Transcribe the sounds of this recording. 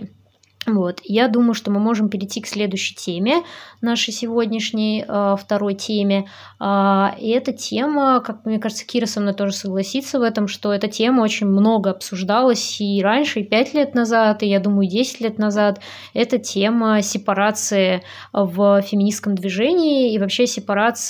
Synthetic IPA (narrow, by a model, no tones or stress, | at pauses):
vo̞t̪jad̪uməjʊʂt̪o̞mɨmo̞ʐɨmpʲɪɾʲɪtʲːiksʲlʲe̞d̪ʊɕːɪ̥jtʲʰemʲɪnaʂɨjsʲɪvo̞dʲnʲɪʂnʲɪjəft̪ɐɾo̞jtʲʰemʲɪ | aɛt̪ətʲʰeməkak̚mnʲekaʐɨt̪sə̥kʲiɾəsɐmnojt̪o̞ʐɨsəɡlˠɐsʲit̪səvɛt̪əmʂt̪o̞ɛt̪ətʲe̞məo̞t͡ɕɪnʲmno̞ɡəɐpsʊʐd̪alˠəsʲiɾanʲʂɨɪpʲætʲlʲe̞t̪nɐzat̪ɪjad̪uməjʊdʲesʲɪ̥tʲlʲet̪nɐzat̪ | ɛt̪ətʲʰeməsʲɪpɐɾat̪sɨɪ | vəfʲɪmʲɪnʲiskəmd̪vʲɪʐɛnʲɪːvɐpɕːesʲɪpɐɾat̪s